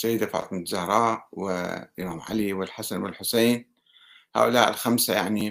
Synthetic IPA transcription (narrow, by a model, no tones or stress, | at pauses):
sajːɪd̪afa̰ʕ̰t̪ˤmnzahɾˤɑːʔwɪ̰ʔmaːmʕa̰liwɪlħasanwɪlħʊseːn | ha̰ːʔʊlaːʔɪ̰lxamsajaʕni